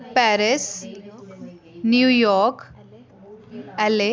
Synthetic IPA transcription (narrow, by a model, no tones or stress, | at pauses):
pɛɾɪs | njuːjɔːɾk | ɛle